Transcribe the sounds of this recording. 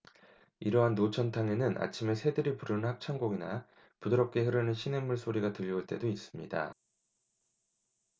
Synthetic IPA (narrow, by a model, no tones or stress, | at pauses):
iɾʌɦanːot͡ɕʰʌntʰaŋe̞nɯnʔa̰t͡ɕʰime̞sʰe̞dɯɾipuɾɯnɯnhak̚t͡ɕʰaŋɡoɡina | pudɯɾʌp̚k͈ʰe̞hɯɾɯnɯnɕʰine̞mːuɭsʰoɾiɡatɯʎːuɭt͈e̞dois͈ɯmɲida̰